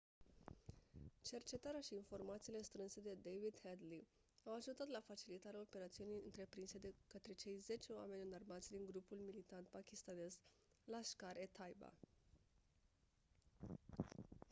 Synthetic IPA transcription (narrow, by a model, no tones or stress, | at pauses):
t͡ʃe̞rt͡ʃe̞t̪aɾeaʃiːnfo̞rmat̪siːle̞st̪ɾɨnse̞d̪e̞d̪ejvid̪hed̪li | awaʒut̪at̪lafat͡ʃilit̪aɾeao̞pe̞ɾat̪siunijɨnt̪ɾe̞pɾinse̞d̪ekət̪ɾe̞t͡ʃe̞jze̞t͡ʃeoa̰me̞nʲɨnarmat̪sʲd̪iŋɡɾupulmilit̪ant̪̚pakʲist̪ane̞z | laʃkaɾʔet̪ʰajba̰